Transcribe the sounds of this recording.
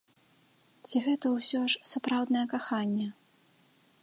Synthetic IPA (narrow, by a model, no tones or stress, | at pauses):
t͡sʲiɣɛt̪ɐwsʲɔʂsapɾawd̪nɐjɐkaxanʲːɛ